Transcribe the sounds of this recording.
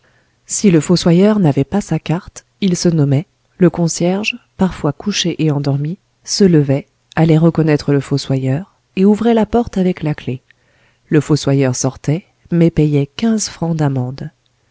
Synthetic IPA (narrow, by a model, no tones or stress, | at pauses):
siləfoswajœʁnavɛpasakaʁt̪ | ilsənɔmɛ | ləkɔ̃sjɛʁʒpaʁfwakuʃeʔeɑ̃d̪ɔʁmi | sələvɛ | alɛʁəkɔnɛt̪χələfoswajœʁ | euvʁɛlapɔʁt̪avɛklakle | ləfoswajœʁsɔʁt̪ɛ | mɛpɛjɛkʲɛ̃zfχɑ̃d̪amɑ̃d̪